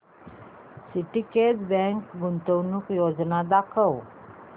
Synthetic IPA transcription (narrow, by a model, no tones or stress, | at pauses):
siʈiked͡zbɛ̃ŋkɡunt̪əwnukjod͡znad̪akʰəw